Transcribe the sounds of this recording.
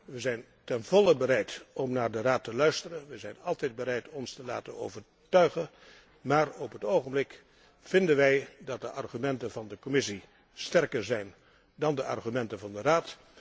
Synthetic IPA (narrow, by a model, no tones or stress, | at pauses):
ʋəzɛjn | tɛnvɔləbərɛjtɔmnaːɹdəraːtəlœɥstərənʋəzɛjnɑlˠtɛjd̚bəɾɛjtɔnstəla̰ːtə̰no̰wvəɹ | tœɥχən | maːrɔpɦətowχənblɪk | fɪndənʋɛjdɑt̚dəʔɑrχymɛntənvɑndəkɔmɪsi | stɛrkəɹzɛjn | dɑndəʔɑ̰rχymɛntəvɑndəraːt